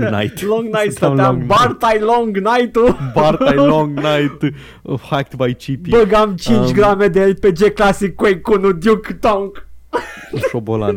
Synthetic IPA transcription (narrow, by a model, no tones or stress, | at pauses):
najt̪lõŋɡnajt̪saãŋbaɾt̪ajloŋɡnajt̪ubaɾtajlõŋɡnajt̪ | hak̚t̪bajt͡ʃipibəɡamt͡ʃint͡ʃʲɡɾamed̪eelʲped͡ʒeklasikːwejkunud̪jukt̪õŋk | ʃobola̰n